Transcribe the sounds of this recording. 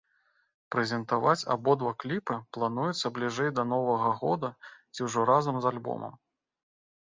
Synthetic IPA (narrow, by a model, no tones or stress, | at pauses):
pɾɛzʲɛnt̪avat͡sʲa̰bɔd̪vaklʲipɨplˠanujɛt̪sːɐblʲiʐɛjd̪ɐnɔvɐɣɐɣɔd̪ɐt͡sʲiwʐɔɾazɐmzalʲbɔ̰mɐ̰m